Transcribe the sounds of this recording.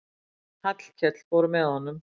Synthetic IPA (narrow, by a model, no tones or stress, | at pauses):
hat̪l̥kʰɛt̪lpoɾmɛðɔnʏm